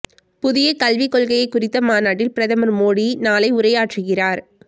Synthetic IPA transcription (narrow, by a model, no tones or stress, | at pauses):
pʊðɪjɐkɐlʋɪkːɔɭɣɐjɐɪkːʊrɪt̪ːɐmaːnaːʈ̬ːɪlpɪɾɐðɐmɐɾmoːɽinaːlɐɪʊrɐjaːʈrɯɣɪraːɾ